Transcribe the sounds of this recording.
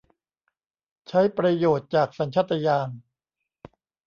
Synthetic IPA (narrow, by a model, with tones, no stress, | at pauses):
t͡ɕʰa˦˥jpɾa˧joː˨˩t̪̚t͡ɕaː˨˩k̚sa˩˦nt͡ɕʰa˦˥t̪ʰːa˧jaː˧n